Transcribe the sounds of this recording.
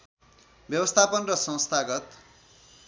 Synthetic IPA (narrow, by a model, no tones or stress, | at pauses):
bjʌbʌst̪ʰapʌnrʌsʌ̃wst̪ʰaɡʌt̪